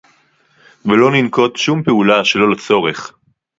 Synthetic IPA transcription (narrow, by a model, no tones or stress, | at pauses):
velo̞ninko̞t̪ʃumpeulaʃe̞lo̞lat͡so̞ʁeχ